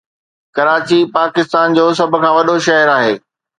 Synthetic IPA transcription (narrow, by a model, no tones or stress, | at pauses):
kɐɾaːt͡ɕipaːkɪst̪aːnd͡ʑoːs̬ɐb̆ʱkʰãːʋɐɗoʃɐɦəɾaːɦeː